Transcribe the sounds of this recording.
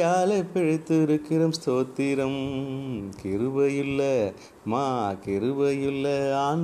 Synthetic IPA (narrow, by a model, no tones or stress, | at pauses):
aːlɐpːɛɻɯt̪ːɯɪɾɯkːɪɾɐmst̪oːt̪ːɪɾɐm | kɪɾɯʋɐjɪlːɐ | maːkɪɾɯʋɐjɪlːɐaːn